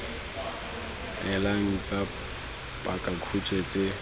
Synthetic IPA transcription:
ɛlaŋ̩t͡sʼa | pʼakʼakʰut͡ʃʼwet͡sʼe

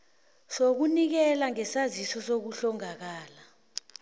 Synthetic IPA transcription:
sok̬unik̬ɛlaŋɛsazisɔsok̬uɬɔŋak̬aːla

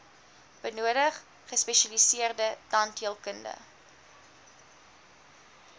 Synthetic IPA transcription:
b̥ənuədəχː | əspɛʃɐlisiərdədɑntiəlˠkəndə̰

